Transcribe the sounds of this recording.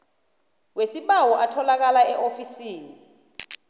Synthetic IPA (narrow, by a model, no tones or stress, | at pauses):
wesiɓawɔʔatʰɔlak̬alaɛʔofisiːni